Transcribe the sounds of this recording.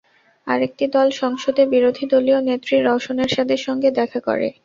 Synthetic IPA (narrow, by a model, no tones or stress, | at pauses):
a̰ɾek̚ʈid̪ɔlʃɔŋʃod̪ebiɾod̪ʱid̪olionet̪ːɾiɾɔʃoneɾʃat̪ʰeɾʃɔŋɡed̪ɛkʰako̰ɾḛ